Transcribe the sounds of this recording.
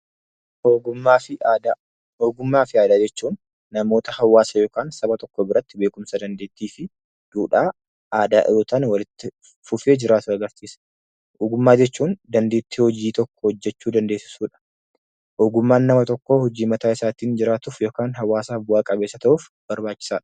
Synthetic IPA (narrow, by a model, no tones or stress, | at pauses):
oɡaːɪ | hoːɡʊmːaːfɪaːd̪aːd͡ʒɛt͡ʃːuːnː | ɐmo̞ːt̪ɐhɐwːaːsɐjo̞ːkaːnsɐbɐt̪ɔkːobɪɾɐt̪ːɪbe̞ːkʊmsɐd̪ɐnd̪eːt̪ːiːfɪ | d̪̥uːᶑaː | ʔaːd̪a̰ːʔoːt̪aːnwɐlɪt̪ːɪ | fʊfeːd͡ʒɪɾaːt̪ʊɐɡɐɾsiːsɐ̥ | oːɡʊmːaːd͡ʒɛt͡ʃːuːnd̪ɐnd̪eːt̪ːɪhɔd͡ʒiːt̪ɔkːɔhɔd͡ʒːɛt͡ʃːuːd̪ɐnd̪e̞ːsɪ̥suːᶑɐ̥ | oːɡʊmːaːnːɐmɐt̪ɔkːoːhɔd͡ʒiːmɐt̪aːɪsaːt̪iːnd͡ʒɪɾaːt̪ʊfjo̞ːkaːnɦɐwːaːsaːfbʊaːkʼɐbeːsːɐt̪ɐʔuf | b̥ɐɾbaːt͡ʃːɪ̥saːᶑɐ̥